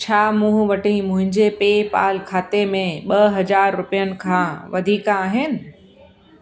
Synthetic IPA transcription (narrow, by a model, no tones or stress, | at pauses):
t͡ɕʰaːmũɦʋɐʈĩmʊ̃ɦɪ̃ɲd͡ʑepeːpa̰ːlkʰaːt̪emẽɓɐɦɐd͡ʑaːɾːʊpijənɪ̆kʰãːʋɐd̪ʱiːkãaːɦɪnɪ̆